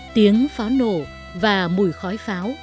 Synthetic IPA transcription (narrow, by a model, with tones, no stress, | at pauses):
t̪i˨˦əŋfaː˨˦wno˨˩ | vaː˨˩mu˨˩jxɔ˨˦jfaː˨˦w